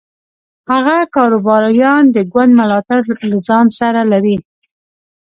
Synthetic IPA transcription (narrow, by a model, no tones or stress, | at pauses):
haɣakɑɾobɑɾjɑnd̪əɡwand̪mʊlɑt̪aɾlazɑnsaɾalaɾi